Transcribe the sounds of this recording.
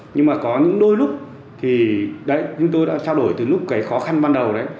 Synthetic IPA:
ɲɨ˧ŋmaː˨˩kɔ˨˦ɲɨ̰˧˥ŋɗo˧jlʊ˦˥k͡p̚ | t̪ʰi˨˩ɗə˧˥jt͡ɕʊ˨˦ŋ͡mt̪o˧jɗa̰ː˧˥t͡ɕaː˧wɗo˧˩jt̪ɨ˨˩lʊ˦˥k͡p̚kːaː˨˦jxɔ˨˦xa˧nɓaː˧nɗə˨˩wɗə˨˦j

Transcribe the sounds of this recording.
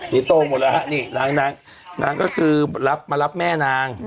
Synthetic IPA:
ni˦˥t̪oː˥˧˩mo˨˩t̪la˧ɦa˦˥ʔniː˧˩naː˨˩˦ŋnaː˧ŋ | nʔaː˧ŋkɔː˥˩kʰɯː˧la˦˥p̚maː˧la˦˥p̚mɛː˥˩naː˧ŋ

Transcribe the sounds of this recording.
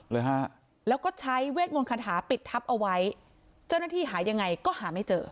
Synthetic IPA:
lɤː˧jɦa˦˥ | lɛː˦˥wkɔː˥˩t͡ɕʰa˦˥jweː˥˩t̪̚mo˧nkʰa˧nɦʰaː˩˦pi˨˩t̪ʰːa˦˥p̚ʔa˧wa˦˥j | t͡ɕa˥˩wna˥˩iː˥˩ɦaː˩˦ja˧ŋːa˧jkɔː˥˩haː˩˦ma˥˩jt͡ɕɤː˧

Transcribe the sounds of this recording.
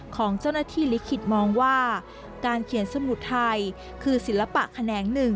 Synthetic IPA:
kʰɔː˩˦ŋt͡ɕa˥˩wnaː˥t̪ʰiː˥˩li˦˥kʰːi˨˩t̪̚mɔː˧ŋwaː˥˩ | kaː˧nkʰi˨˩˦ənsa˧mu˨˩t̪ʰːa˧j | kʰɯː˧si˨˩˦nla˧pa̰˨˩ʔkʰa˧nɛː˩˦ŋnɯ˨˩ŋ

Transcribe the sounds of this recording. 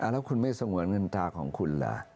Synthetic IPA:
ʔa˧˩lɛː˦˥wkʰu˧nma˥˩jsa˧ŋu˨˩˦ənŋɤ˧nt̪aː˧kʰɔː˩˦ŋkʰu˧nla̰˨˩˦

